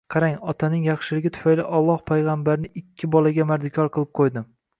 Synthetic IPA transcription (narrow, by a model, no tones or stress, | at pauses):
qʰɑɾaŋɒt̪ʰanɪŋjɑχʃɪlɪɡʲɪt̪ʰʊ̥fajlɪ̰ʔɒlˠːɒhpʰajʁɑmbaɾnɪɪkʲʰːɪbɒlaɡʲamaɾd̪ɪkʰʲɒɾqʰɨlˠɪp̚qʰojd̪ɪm